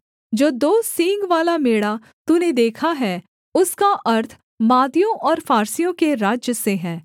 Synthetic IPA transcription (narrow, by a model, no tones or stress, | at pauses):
d͡ʒoːd̪oːsĩːŋɡʋaːlameːɽa | t̪uned̪eːkʰaɦɛː | ʊskaʔɐɾt̪ʰ | maːd̪ijõʔɔːɾfaːɾsijõkeɾaːd͡ʒjəseɦɛː